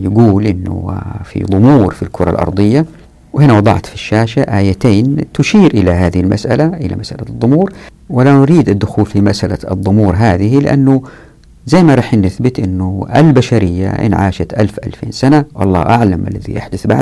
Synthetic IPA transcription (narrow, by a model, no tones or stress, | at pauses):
jɪɡuːlʔɪnːʊ̰fḭd̪ˤʊmuːɾfilkʰʊɾˤɑ̰lʔɑ̰ɾˤd̪ˤɨjːa | whɪnawɑd̪ˤɑ̰ʕt̪fiʃːaːʃaʔaːjat̪eːnt̪ʊʃiːɾʔɪlaɦaːðɪhilma̰sʔa̰laʔɪla̰masʔalad̪ˤːʊmuːɾ | wɪlanʊɾiːd̪ad̪ːʊxuːlfimasʔalad̪ˤːʊmuːɾɦaːðɪhilɪʔa̰nːu | zajːmaɾˤɑːħnːɪθbɪt̪ʔɪnːʊʔa̰lbaʃaɾɪjːa̰ʔɪ̰nʕa̰ːʃat̪ʔalfʔa̰lfḛːnsanaʔɑ̰lˤːɑ̰ːʔaʕlamʔalːaðḭja̰ħd̪ʊθba̰ʕd̪